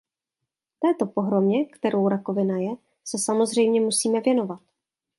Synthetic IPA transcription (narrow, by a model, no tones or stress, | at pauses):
ft̪ɛːt̪o̞po̞ɦɾo̞mɲɛkt̪ɛɾʔo̞wɾako̞vɪnajɛ | sɛsamo̞zr̝ɛjmɲɛmusiːmɛvjɛno̞vat̪̚